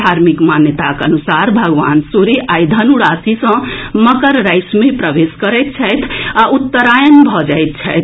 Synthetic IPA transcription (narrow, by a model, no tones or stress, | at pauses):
d̪ʱaɾmikmanjət̪akənusaɾbʱəɡʋa̰nsuɾiʔajd̪ʱənuɽasisə̃məkəɾːajsmepɾəʋeskəɾɛt̪̚t͡ʃʰəjt̪ʰaʔut̪ːəɾajənbʱɔd͡ʒajt̪̚t͡ʃʰəjt̪ʰ